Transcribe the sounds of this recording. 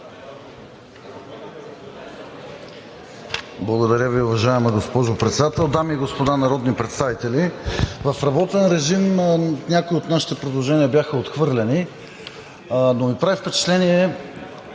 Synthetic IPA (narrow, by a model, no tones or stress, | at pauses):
blˠɐɡod̪ɐɾʲjəviʊvɐʒaɛməɡospɔʒopɾɛt̪sɛd̪at̪ɛlˠd̪amiːɡospod̪anɐɾɔd̪nipɾɛt̪st̪avit̪ɛlivɐfɾɐbɔt̪ɛnɾɛʒimnʲjakoiot̪naʃi̥t̪ɛpɾod̪lˠoʒɛniɐbjaxəot̪xvɤɾlʲɛni | nomipɾavifpɛt͡ʃɛ̥t̪lɛniɛ